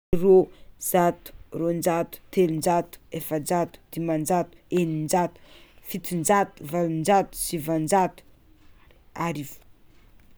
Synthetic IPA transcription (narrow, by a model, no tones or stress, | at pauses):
roz̥at̪u̥rond͡ʒat̪u̥t̪ʰelund͡ʒat̪u̥efənd͡zat̪u̥d̪̥imand͡ʒat̪u̥enind͡ʒat̪u̥fit̪ind͡ʒat̪uvalind͡ʒat̪u̥sivand͡ʒat̪u̥ | aɾiv